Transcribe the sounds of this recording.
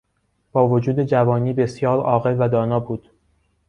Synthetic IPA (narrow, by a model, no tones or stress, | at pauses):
b̥ɒːvod͡ʒuːd̪e̞d͡ʒævɒːniːbe̞sjɒːɾɒːɣe̞lvæd̪ɒːnɒːbuːd̪̥